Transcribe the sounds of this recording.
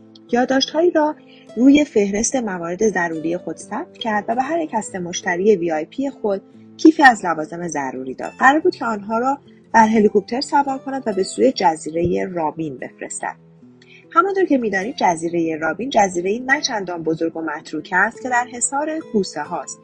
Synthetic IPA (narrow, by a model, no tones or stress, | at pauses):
jɒːd̪ːɒːʃt̪hɒːiːɾɒː | ruːje̞fe̞hɾe̞st̪e̞mævɒːɾe̞d̪e̞zæɾuːɾije̞xo̞d̪̥sæb̥̚t̪ʰcʰæɾd̪væbe̞ɦæɾjecʰæst̪e̞mo̞ʃt̪ʰæɾiːe̞viːɒjpʰije̞xol | cʰiːfiːæzlævɒːze̞me̞zæ̰ɾṵɾiːd̪ɒ̰d̪̥̚ɢæɾɒːɾbuːd̪̥cʰe̞ɒːnɦɒːɾɒː | d̪̥æɾɦe̞likʰop̚t̪ʰe̞ɾsævɒːɾkʰo̞næd̪væbe̞suːje̞d͡ʒæziːɾe̞jerɒːbinbe̞̰fɾe̞̰st̪æ̰d̪̥ | hæmɒnt̪ʰoɾcʰe̞miːd̪ɒːniːd̪̚d͡ʒæziːɾe̞je̞ɾɒːbiːnd͡ʒæziːɾe̞iːnæt͡ʃʰænd̪ɒːnbo̞zo̞ɾɡo̞mæt̪ʰɾuːcʰæst̪̚cʰe̞d̪æɾɦe̞sɒːɾe̞kʰuːseɦɒːst̪